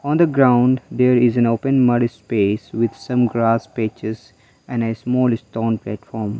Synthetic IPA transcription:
ɔ̃ːnd̪əɡɾãʊ̃ɳɖd̪eːɾɪzɛ̃noːpə̃nmʌɾspeːsʋɪd̪sʌ̃mɡɾaːspet͡ʃɪz | ɛ̃nesmɔːlɪsʈoːnplæːʈfɔːɾm

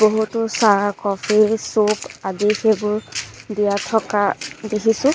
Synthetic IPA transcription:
boɦutʊsakɔpʰiɹsupadixebʊɹdijatʰɔkadekʰisʊ̃

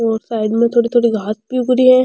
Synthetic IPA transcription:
ɔːɾsaːɪd̪mẽt̪ʰoːɽit̪ʰoːɽiɡʱaːt̪̚piɡʊɾiɦɛ̃ː

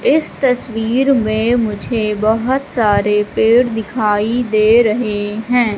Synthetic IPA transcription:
ɪst̪ɐswiːɾmẽmʊd͡ʒʱebɐɦʊt̪saːɾepeːɽd̪ɪkʰaːid̪eːɾɐɦeɦɛ̃ː

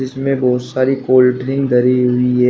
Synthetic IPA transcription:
ɪsmẽbɔːʊt̪saːɾikoːlʈɾɪ̃ŋɡd̪ʱɐɾiɦʊiɦɛː

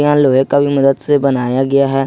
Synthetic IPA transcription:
ɪãːloːeːkəbiːməd̪ət̪sebənaːjaːɡɪaːɦɛː

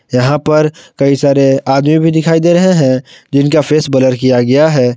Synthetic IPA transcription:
jɐɦãpɐɾkɐisaːɾeaːd̪mĩbʱid̪ɪkʰaːid̪eɾɐɦeɦɛ̃d͡ʒɪnkafeːsbɐləɾkijaɡɐjaɦɛː

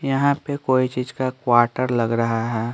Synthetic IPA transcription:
jɐɦãpekoːit͡ʃiːzkakwaːɾʈəɾlɐɡɾɐɦaɦɛː

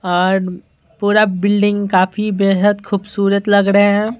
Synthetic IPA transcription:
ɔːɾ | puːɾabɪlɖɪ̃ŋɡkaːfibeːɦəd̪xʰuːbsuːɾət̪lɐɡɾɐɦeɦɛ̃

